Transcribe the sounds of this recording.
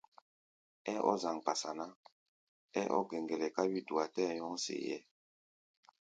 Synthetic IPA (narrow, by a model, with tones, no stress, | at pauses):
ɛ˦ʔɔ̰˦za˨ŋ˨pa˨sa˨na˦ | ɛ̰˦ʔɔ̰˦ɡɛ˨ŋɡɛ˨lɛ˨ka˦bi˦du˨a˨tɛ˦˨ɲɔ˦ŋsḛ˨jɛ̰˦